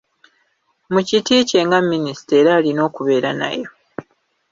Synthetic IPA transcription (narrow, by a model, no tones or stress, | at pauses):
mucitiːce̞ŋɡamːinisi̥te̞ːɾaːlino̞ːkuβe̞ːɾana̰jo̞